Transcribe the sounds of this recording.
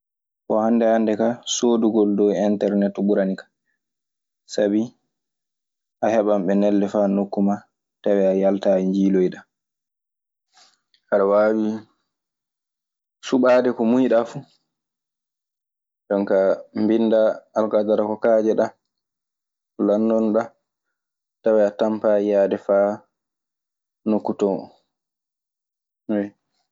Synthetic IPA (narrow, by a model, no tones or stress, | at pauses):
kɔhandɛhandɛkasoːduɡɔldɔwɛntɛɾnɛtɓuɾanikḁ | sabi | ʔahɛɓamɓɛnɛlːɛfanokːuma | tawɛajaltaiɲd͡ʒiːlojɗa | haɗawaːwi | suɓaːdɛkɔmujɗafu | ɗɔŋkambinːdaːlkadaɾakɔkaːd͡ʒɛɗa | landɔnɗa | tawɛatampajaːdɛfaː | nokːutɔ | wɛ